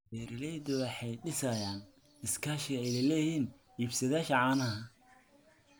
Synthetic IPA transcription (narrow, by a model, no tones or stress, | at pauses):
bɛːɾɪlɛjd̪ɔwɑħɑjɖɪsɐjaːn | ɪskʰaːʃɪɛjlɐlɛːjiːn | iːbsɐðaːʃɐʕɑːnɐɦɐ